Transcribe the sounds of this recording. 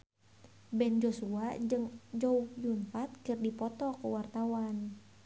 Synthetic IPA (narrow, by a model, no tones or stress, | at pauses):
bɛnd͡ʒosuaɨŋd͡ʒoujunfat̪̚kɨrdipɔt̪ɔkəwart̪awan